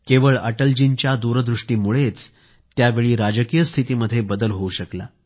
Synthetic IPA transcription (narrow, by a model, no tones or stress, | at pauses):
keʋəɭəʈəld͡ʑint͡ɕjad̪uɾəd̪ɾuʂʈiːmuɭet͡s | t̪ːjaʋeɭiːɾad͡ʑəkijəst̪ʰit̪iːməd̪ʱːjebəd̪əlɦouɕəkla̰